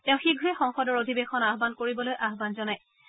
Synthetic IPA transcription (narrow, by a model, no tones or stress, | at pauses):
tɛʊ̃xiɡʱuɛxɔŋxɔdɔɹodʱibexɔnaɦbankoɹibɔlojʔaɦbanzɔnaj